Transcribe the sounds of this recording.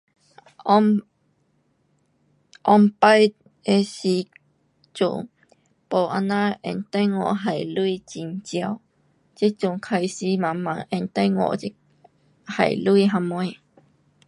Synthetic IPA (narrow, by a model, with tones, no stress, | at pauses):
ʔɔ˧mpa˦j | e˧si˧ | t͡ɕṵ˨ŋ | po˨˩ʔa˧nã˦ʔɛ̰˧nt̪a˦˥jŋɔ̰̃˧˨ɦa˨jlu˦i˦˧˨t͡ɕi˧˨nt͡ɕja˧w | t͡ɕe˦t͡ɕu˨ŋkʰa˧jsi˧mã˨mã˨ʔɛ˧nt̪a˦ŋɔ̰̃˧˨ʔt͡ɕi˦˥ | ha̰˨˩jlu˦i˧ɦã˧mwẽ˧˦